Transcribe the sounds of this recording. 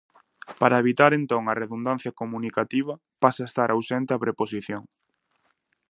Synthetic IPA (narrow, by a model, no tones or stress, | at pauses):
paɾɐeβ̞it̪aɾent̪õŋɐreðund̪an̟θjɐkomũnikat̪iβ̞ɐ | pasɐest̪aɾʔawsɛnt̪eɐpɾeposiθjoŋ